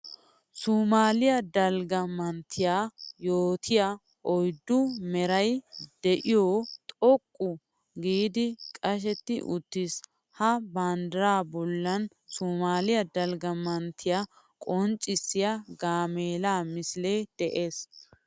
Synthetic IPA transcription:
suːmaːlɪjɐd̪ɐlɡɐmɐnt̪ʰːɪjaːjoːt̪ʰɪja | ʔɔjd̪ːʊmɛɾɐjd̪̥ɛʔɪjot̪ʼɔkʼːʊ | ɡiːd̪ɪkʼɐʃ̬ɛt̪ːɪʔʊt̪ːɪs | hɐband̪ɐɾaːbɔlːɐn | suːmaːlɪjɐd̪ɐlɡɐmɐnt̪ʰːɪja | kʼɔnt͡ʃʼːɪsːɪjaɡaːmeːlaːmɪsleːd̪̥ɛʔe̞ːs

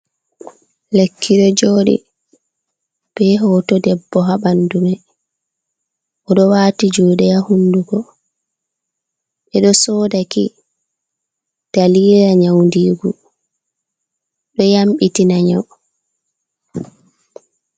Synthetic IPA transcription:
lekʰːiɗɔd͡ʒoːɗḭ | b̥ɛɦɔːtɔdɛbːɔɦabandumɛ | ʔɔɗɔwaːtid͡ʒuːɗɛjahunduɡɔ | ɓɛɗɔsɔːdakḭ | d̥aliːɾaɲawndiːɡu | ɗɔjamɓitinaɲaw

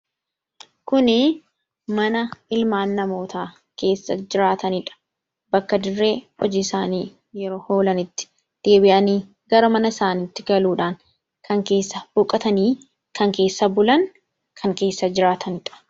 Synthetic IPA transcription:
kʊnɪ | mɐnɐɪlmaːnːɐmo̞ːt̪ʰaː | ke̞ːsːɐd͡ʒɪɾaːt̪ɐnɪᶑɐ̥ | bɐkːɐd̪ɪrːe̞ːɔd͡ʒɪsaːniː | jɛɾo̞ːho̞ːlɐnɪt̪ːɪ̥ | d̪̥e̞ːbɪʔɐniː | ɡɐɾɐmɐnɐɪsaːniːt̪ːɪɡɐluːᶑaːŋ | kʰɐŋke̞ːsːɐb̥ʊkʼːɐt̪ɐniː | kʰɐŋke̞ːsːɐbʊlɐŋ | kʰɐŋke̞ːsːɐd͡ʒɪɾaːt̪ʰɐnɪᶑɐ̥

